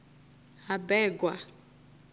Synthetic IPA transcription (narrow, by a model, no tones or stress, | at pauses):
ɦabɛːɡwa